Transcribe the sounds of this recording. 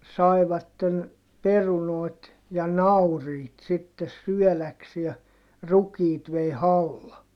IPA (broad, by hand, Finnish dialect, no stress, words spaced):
sɑi̯ʋɑtːen perunoˑi̯t jɑ nɑuriːt sitːes syœˑlæksie rukiːt ʋei hɑlːɑ